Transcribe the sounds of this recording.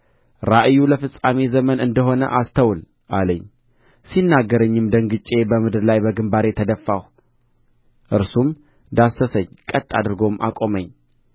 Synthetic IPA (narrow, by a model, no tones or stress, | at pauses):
ɾaʔɨjːuləfɨsʼame̞zəmənɨnd̪əɦo̞nə̰ʔast̪ʰəwl | ʔaləɲː | sinːaɡːəɾəɲːɨmd̪əŋɡɨt͡ʃʼe̞bəmɨd̪ɨɾlajbəɡɨmbaɾe̞t̪ʰəd̪əfːaw | ʔɨɾsum | d̪asəsəɲːkʼət̪ʼːad̪ɨɾɡo̞mʔa̰kʼo̞məɲː